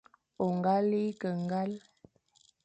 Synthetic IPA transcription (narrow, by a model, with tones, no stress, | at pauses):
o˨ŋɡa˦li˦kə˨ŋɡa˦l